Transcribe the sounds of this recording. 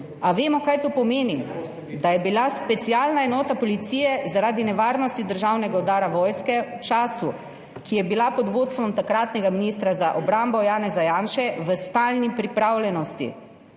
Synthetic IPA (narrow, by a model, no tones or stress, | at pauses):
aʋeːmɔkajt̪opɔmeːni | d̪ajɛbilaspɛt̪siaːlnaɛnɔːt̪apɔlit̪siːjɛzaɾaːd̪inɛʋaːɾnɔst̪id̪əɾʒawnɛɡaɔd̪aːɾaʋɔːjskɛwt͡ʃaːsu | kijɛbilapɔd̪ʋoːt̪st̪ʋɔmt̪akɾat̪nɛɡaminiːst̪ɾazaʔɔbɾambɔjaːnɛzajaːnʃɛʋəst̪alnipɾipɾaːwlʲjɛnɔst̪ḭ